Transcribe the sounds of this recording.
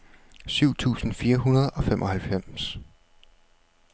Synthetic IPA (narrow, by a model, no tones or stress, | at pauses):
syʊ̰t͡sʰṵːsn̩fiːɐɦunɐð̞ˠɒ̽femʔɒ̽hælfem̰s